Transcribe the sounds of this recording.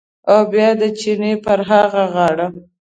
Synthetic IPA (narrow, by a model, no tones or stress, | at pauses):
awbjɑd̪ət͡ʃinepəɾɦaɣaɣɑɽa